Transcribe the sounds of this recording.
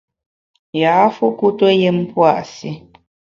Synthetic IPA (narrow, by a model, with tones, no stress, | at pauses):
jaː˨˦fu˦ku˦to˦je˦m̩˦pwa˦˨ʔsi˦